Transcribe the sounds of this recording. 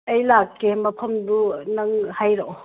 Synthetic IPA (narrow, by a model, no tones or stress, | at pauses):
ejlakːemɐpʰɐmdunɐŋhajɾo